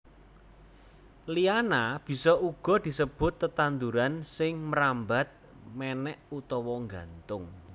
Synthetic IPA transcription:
lianab̥i̤sɔʔuɡ̥ɔ̤d̪̥i̤səb̥ʊ̤t̪ːət̪and̪uɾansɪŋməɾamba̤t̪̚ | mɛnɛʔut̪ɔwɔŋɡant̪ʊŋ

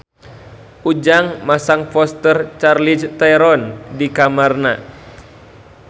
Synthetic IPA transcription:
ud͡ʒaŋmasaŋfɔst̪ərt͡ʃarlist̪aɾɔndikamarna

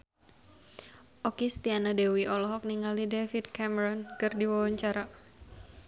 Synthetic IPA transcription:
ʔɔkist̪ianadewiʔɔlɔɦɔk̚niŋalidefit̪̚kɛmɛɾɔnkɨrdiwawaɲt͡ʃaɾa

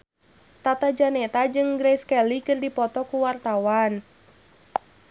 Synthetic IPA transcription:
t̪at̪ad͡ʒanɛt̪ad͡ʒɨŋɡɾɛskɛlikɨrdipɔt̪ɔkuwart̪awan

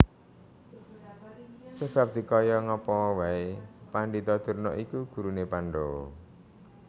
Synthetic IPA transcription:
seb̥a̤p̚d̪̥i̤kɔjɔŋɔpɔwaepaɳɖit̪ɔd̪̥ṳrnɔ̰ʔikuɡ̥ṳɾunepaɳɖɔ̰

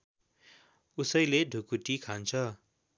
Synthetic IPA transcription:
usʌjleɖʱukuʈikʰant͡sʰʌ

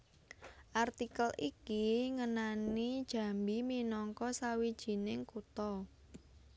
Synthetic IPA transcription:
ʔart̪ikəlikiŋənanid̥ʒ̥ä̤mbiminɔŋkɔsawid̥ʒ̥i̤nɪŋkut̪ɔ

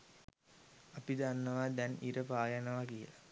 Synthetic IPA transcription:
apid̪anːəʋad̪ɛnḭɾəpaːjanɐʋakiəla

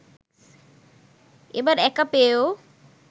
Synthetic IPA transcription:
ebaɾɛkapeo

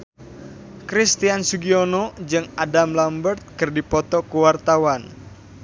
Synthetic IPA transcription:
kɾist̪iansuɡionɔd͡ʒɨŋadamlambərt̪̚kɨrdipɔt̪ɔkuwart̪awan

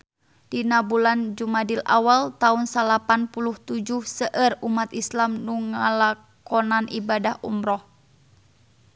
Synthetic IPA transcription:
d̥inabuland͡ʒumadilʔa̰walt̪aunsalapanpuluht̪ud͡ʒuhsəʔərumat̪islamnuŋala | kɔnanʔibadahʔṵmɾɔh

